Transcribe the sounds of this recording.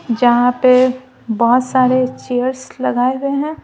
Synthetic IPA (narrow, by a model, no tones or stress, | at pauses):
d͡ʒɐɦãpe | bɔɦʊt̪saːɾet͡ʃejəɾslɐɡaːeɦueɦɛ̃ː